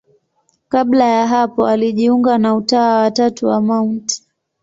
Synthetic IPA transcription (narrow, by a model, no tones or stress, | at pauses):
kaɓlajaɦapɔaliʄiuŋɡanautaːwatatuwamaunti̥